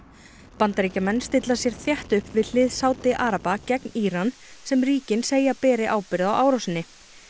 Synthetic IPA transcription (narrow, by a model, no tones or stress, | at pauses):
pant̪aɾiːcamɛnːst̪ɪt̪lasjɛɾ̥θjɛht̪ʏhpvɪðl̥ɪːðsaːwt̪ɪʔaːɾapacɛkniːɾan | sɛmriːcɪnseːjapɛːɾɪʔaːwpɪɾðawʔaːwɾawsɪnːɪ